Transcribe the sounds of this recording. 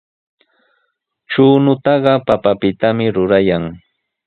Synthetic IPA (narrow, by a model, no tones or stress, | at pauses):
t͡ʃuːnʊt̪ɑɢɑpapapɪt̪amɪɾʊɾajaŋ